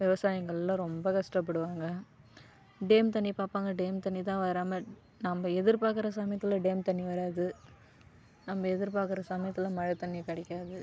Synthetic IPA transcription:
ʋɪʋɐsaːjɐŋɡɐɭɪlːãːɾɔmbɐkɐʂʈɐp̬ːɐɽɯʋaːŋɡɐ | ɖeːmt̪ɐɳːipaːɾpaːŋɡɐɖeːmt̪ɐɳːit̪ãːʋɐɾaːmɐ | nɐmbɐɛðɪɾpaːɾkɯɾɐsɐmɐjɐt̪ːɪlɐ̃ɖeːmt̪ɐɳːiʋɐɾaːðɯ | nɐmːɐɛðɪɾpaːɾkɯɾɐsɐmɐjɐt̪ːɪlɐmɐɻɐt̪ɐɳːikɐɽɛkʲːaːðɯ

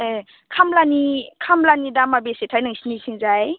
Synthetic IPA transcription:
e | kʰamlanikʰamlanidamabesetʰajnaŋsinisiŋzaj

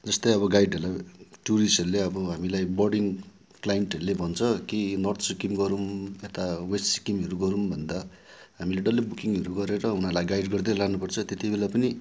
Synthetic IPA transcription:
d͡zʌst̪ʌjʌbʌɡajɖɦʌrlaʈuɾisʌɾuleʌbʌɦamilajbʌrɽiŋ | klajenʈʌɾulebʱʌnt͡sʰʌkinʌrt̪ʰsikimɡʌɾumet̪awessi̥kimʌɾuɡʌɾumbʱʌnd̪a | ɦamileɖʌlibukiŋʌɾuɡʌɾeɾʌunalajɡaiɖɡʌrd̪eɾlanupʌrt͡sʰʌt̪et̪ibelapʌni

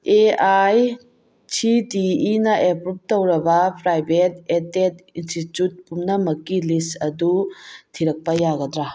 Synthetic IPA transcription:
eaj | t͡ʃʰitiinɐʔepɾup̚towɾɐbɐpɾajbet̚etetinstitjut̚pumnɐmɐkːilistɐdutʰiɾɐk̚pɐjaɡɐdɾa

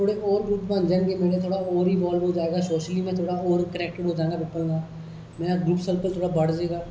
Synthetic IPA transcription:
t̪ʰoːɽeːʔɔːɾɡuːʈbə̃nd͡ʒəɳɡeːmeːɽeːt̪ʰoːɽaːoːɾiːʋɔːlbɦoːd͡ʒaːeːɡaːsoːʃliːmɛ̃ːt̪ʰoːɽaːoːɾkənɛːk̚ʈəɽɦoːd͡ʒaːeɡaːpiːpːəlnãː | mɛ̃ːnaɡɾuːpsəlpəlt̪ʰoːɽaːbəɽd͡ʒeːɡaː

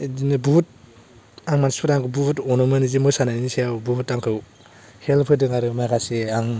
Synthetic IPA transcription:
dinɯbut̚ | aŋmanspʰɯɾaŋkʰɯwbutɔnɯmɯnizimɯjsananniseawbutaŋkʰɯw | helpʰɯdɯŋaɾɯmajkʰaseaŋ

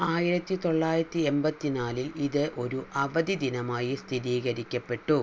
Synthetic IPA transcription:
aːjiɾɐt̪ːit̪o̞ɭːaːjɾɐt̪ːiembɐt̪ːinaːliliðɨʔo̞ɾuʔɐʋɐd̪id̪inɐmaːjist̪ʰiɾiːɣɐɾikʲːɐpːe̞ʈːu

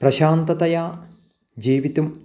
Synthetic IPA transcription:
prɐɕaːnt̪ɐt̪ɐjaː | d͡ʑiːʋit̪um

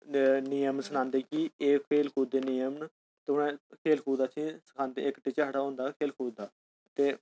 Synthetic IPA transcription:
nijəmsənãːnd̪eːkieːkʰeːlkʰuːd̪eːnijəmn | t̪eʊnãːkʰeːlkʰuːd̪aːsʰĩːsə̥kʰãːnt̪ḛːɪkʈiːt͡ʃaːɽaːɦõːnd̪aːkʰeːlkʰuːd̪aː | t̪eː

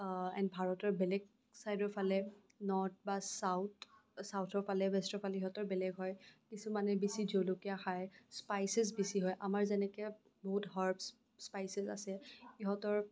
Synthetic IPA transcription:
ɛ̰nbʱaɹɔtɔɹbɛlɛɡ̚ | sajdɔɹpʰalɛ | nɔɹt̚basawtsawtʰɔɹpʰalɛbɛstɔɹpʰalɛiɦɔtɔɹbɛlɛɡɦɔjkisumanɛbisid͡ʒowlokiaxajspajsɛzbisiɦɔjʔamaɹzɛnɛkɛ | boɦutɦaɹbs | spajsɛza̰sɛiɦɔtɔɹ

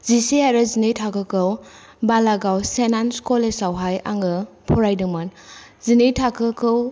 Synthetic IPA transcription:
ziseaɾɯzinejtʰakɯkɯw | balaɡawsenanskɔlesawɦaja̰ŋɡɯ | pʰɔɾajdɯŋmanzinejtʰakʰɯkʰɯw

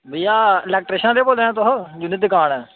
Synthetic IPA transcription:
bijaːlɛːk̚ʈɾeːʃãːd̪eːboːl̃ːãːt̪oɦəd͡ʒʊnːɪt̪ːɪkaːɳɛː

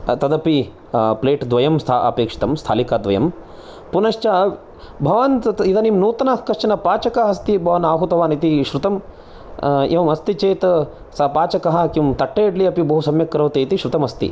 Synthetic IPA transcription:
t̪ɐd̪ɐpi | pleːʈd̪ʋɐjɐmst̪ʰaʔɐ̰peːkʂi̥t̪ɐmst̪ʰa̰ːlikaːd̪ʋɐjɐm | punɐʃt͡ʃa | bʱɐʋaːnid̪ɐnimnuːt̪ɐnɐkɐʃt͡ʃɐnɐpaːt͡ʃɐkɐɦɐst̪ibʱɐʋɐnaːɦut̪ɐʋaːnit̪iʃɾut̪ɐm | eʋɐmɐst̪it͡ʃeːt̪ɐ | sɐpaːt͡ʃɐkɐɦɐ̆kimt̪ɐʈːɐjɐɖliɐpibɐɦusɐmjɐkːɐɾɐʋt̪eːit̪iʃɾut̪ɐmɐst̪ḭ

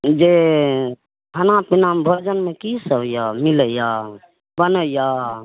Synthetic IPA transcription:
d͡ʒe | ɦənapinambʱəɾd͡ʒənmekisəbjamiləja | bənəja

